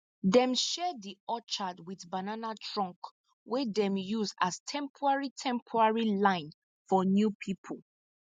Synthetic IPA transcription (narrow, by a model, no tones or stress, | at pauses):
dɛ̃mʃɛdiɔt͡ʃadwiθbananatʰɹɔ̃ŋk | wɛdɛ̃mjusastʰɛ̃mpʰɔɹaɹitʰɛ̃mpʰɔɹaɹilãɪ̃n | fɔnjupʰipʰɔl